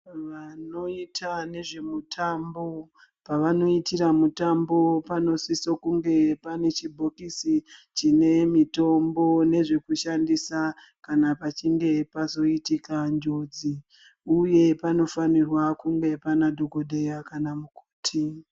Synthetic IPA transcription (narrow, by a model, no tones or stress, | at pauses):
ʋano̞itʰane̞ʐe̞mutʰambo̞ | paʋano̞itiramutambo̞pano̞sisokuŋɡe̞pane̞t͡ʃibʱokisit͡ʃine̞mito̞mbo̞ne̞ʐe̞kuʃandisa | kanapat͡ʃiŋɡe̞pazo̞itikand͡ʒo̞d͡zi | uje̞pano̞fanirwakuŋɡe̞panadʱokodʱejakanamuko̥ːtʰi